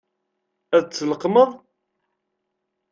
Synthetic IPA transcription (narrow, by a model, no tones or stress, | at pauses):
æðt͡sːələqməðˤ